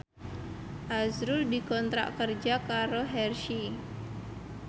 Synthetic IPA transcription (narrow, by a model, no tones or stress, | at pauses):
ʔazɾʊrdikɔnt̪ɾa̰ʔkərd͡ʒakaɾoɦɛrʃi